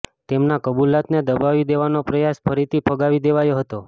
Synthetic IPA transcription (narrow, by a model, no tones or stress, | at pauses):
t̪emnakəbulːat̪ned̪əbaʋid̪eʋanopɾəjaspʰəɾit̪ipʰəɡaʋid̪eʋajoɦət̪o